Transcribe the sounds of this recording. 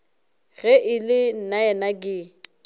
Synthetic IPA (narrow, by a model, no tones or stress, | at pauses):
ɣɛʔɪlɪn̩naɛnakʼɪ